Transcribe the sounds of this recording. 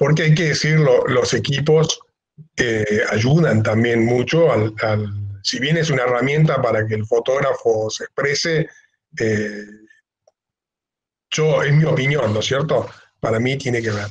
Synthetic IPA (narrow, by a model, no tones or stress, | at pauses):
po̞ɾk̬eajk̬e̞ðesiɾlolo̞se̞kipo̞s | eaʒuðant̪ambje̞nmut͡ʃo̞alalsiβje̞nes̬unaeramjẽ̞nt̪apaɾak̬eːlfo̞t̪o̞ɣɾafosespɾese | e | ʒ̥oesmio̞pinjõ̞nːo̞sje̞ɾt̪o̞ | paɾamit̪je̞nekeβeɾ